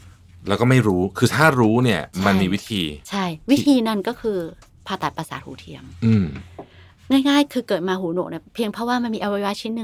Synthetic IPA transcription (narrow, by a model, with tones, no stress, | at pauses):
lɛː˦˥wkɔ˥˩ma˥˩jɾuː˦˥kʰɯː˧t̪ʰaː˥˩ɾuː˦˥ni˥˩ɐma˧nmiː˧wi˦˥t̪ʰiː˧t͡ɕʰa˥˩jwi˦˥t̪ʰiː˧na˧˩nkɔː˥˩kʰɯː˧ | pʰaː˧˩t̪a˨˩pɾa˧saː˨˩˦t̪̚huː˩˦t̪ʰi˧əmʔɯː˧˩m | ŋaː˥˩jŋaː˥˩jkʰɯː˧kɤː˨˩t̪̚maː˧huː˩˦no˨˩ni˧˥˩pʰi˧əŋpʰɾɔ˦˥waː˥˩ma˧nmiː˧ʔa˧wa˧˥jwaː˦˥t͡ɕʰi˧˥˩nːɯ˧